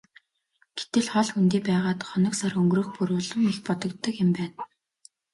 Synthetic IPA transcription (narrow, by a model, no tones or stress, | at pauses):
ɡ̥e̥t̪ɘ̆ɮχɔɮxunt̪iːpæːʁaːt̪χɔnɞ̆ksarɵŋɡrɵ̆xpuɾʊːɮɞ̆ŋixpɔt̪ɞ̆kt̪ːɞ̆kjɪ̆mpæːn